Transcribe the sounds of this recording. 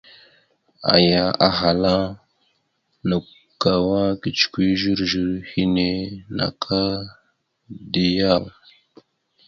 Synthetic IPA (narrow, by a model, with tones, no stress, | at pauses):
a̰˨ja˨ʔa˨ɦa˨la˦ | nə˨ | ka˨wa˦ki˨t͡ʃkʷi˦ʒi˦ɾʒi˨ɾhi˦ne˦na̰˨kʰa˦ | di˨ja˦˨l